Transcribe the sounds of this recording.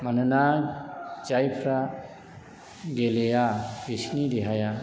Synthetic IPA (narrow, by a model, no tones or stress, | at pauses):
manɯna | t͡ʃajpʰɾa | ɡelejabisnidiɦaja